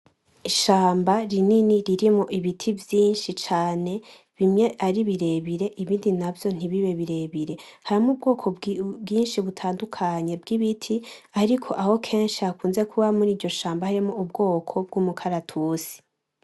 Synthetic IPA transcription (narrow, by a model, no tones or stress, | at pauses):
iʃaːmbaɾininiɾiɾimoʔiβitʰivjiːnʃit͡ʃaːne̞ | βimɲe̞ʔaɾiβiɾe̞βiɾe̞ʔiβiːndinavjo̞n̥iβiβe̞βiɾe̞βiɾe̞haɾimub̚ɡo̞ːkʰo̞ɡiːnʃiβutʰaːndukʰaɲe̞b̚ɡiβitʰiaɾikʰo̞ʔaho̞kʰe̞ːnʃiakuːnze̞kʰuβamuɾiːɾɟo̞ʃaːmbahaɾimoub̚ɡo̞ːkʰo̞b̚ɡuːmukʰaɾatʰusi̥